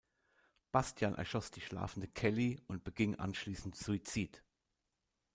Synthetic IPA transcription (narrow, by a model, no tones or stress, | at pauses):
b̥astʰjanʔɛ̰ɐʃɔsd̥iːʃla̰ːfn̩dəkʰɛliʊnt̚b̥əɡɪŋʔa̰nʃliːsn̩tz̥uit͡siːt